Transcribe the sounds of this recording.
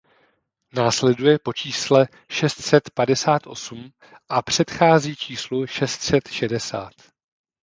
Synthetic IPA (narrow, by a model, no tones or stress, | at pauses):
naːslɛdujɛpo̞t͡ʃiːslɛ | ʃɛst̪sɛt̪padɛsaːt̪ʔo̞̰sum | ʔapr̝̥ɛt̪xaːziːt͡ʃiːsluʃɛst̪sɛt̪ʃɛdɛsa̰ːt̪